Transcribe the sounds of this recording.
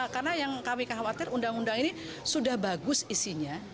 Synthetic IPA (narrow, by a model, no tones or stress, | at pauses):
karnajaŋkamikəɦawat̪ɪrundaŋundaŋini | sudahbaɡʊsisiɲa